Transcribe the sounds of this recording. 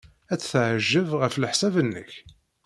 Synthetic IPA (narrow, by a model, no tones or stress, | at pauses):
æt͡sːθʕʒːəvʁəfləħsævənːə̰ç